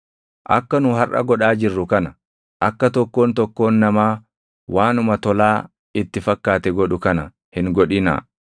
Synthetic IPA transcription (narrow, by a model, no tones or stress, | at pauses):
ʔɐ̰kːɐnʊɦɐrʔɐ̰ɡɔᶑaːd͡ʒɪrːʊkɐnɐ | ʔɐkːɐt̪ɔkːo̞ːnt̪ɔkːo̞ːnːɐmaː | wʔaːnʊmɐt̪ɔlaː | ɪt̪ːɪfɐkːaːt̪ɛɡɔᶑʊkɐnɐ | hɪŋɡɔᶑɪna̰ː